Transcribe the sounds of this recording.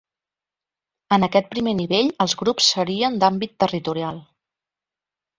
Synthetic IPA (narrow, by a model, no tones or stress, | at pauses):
ənəkɛt̪̚pɾimeniβeʎəlˠzɣɾupsːəɾiənd̪ambit̪ːərit̪uɾialˠ